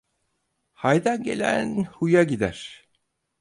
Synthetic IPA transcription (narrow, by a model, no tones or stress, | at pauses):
hajd̪anɟe̞̰lʲæ̰nhujaɟid̪æɾ̥